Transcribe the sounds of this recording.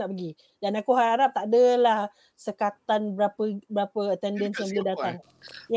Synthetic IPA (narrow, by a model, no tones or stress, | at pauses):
naʔpəɡi | danakuɦaɾaɾap̚t̪aʔdəlah | səkat̪anbəɾapəbəɾapəət̪ɛndɛnsjãŋbəlidat̪aŋ | j